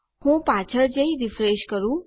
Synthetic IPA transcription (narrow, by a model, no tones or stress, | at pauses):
hũːpaːt͡ʃʰəɾd͡ʑeiɾɪfɾeːʃkəɾũː